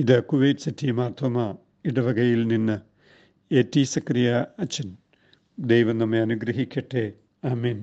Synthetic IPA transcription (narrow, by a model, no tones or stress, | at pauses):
iðɨkuʋejtɨ̥sitʰːijmaːrt̪ʰwɐma | iɽɐʋɐɡɐjilninːɨ | etːiːsɐkrijaɐt͡ɕːɐn | d̪ejʋɐnɐmːeɐnuɡɾɐɦikʲːɐʈːe | aːmeːn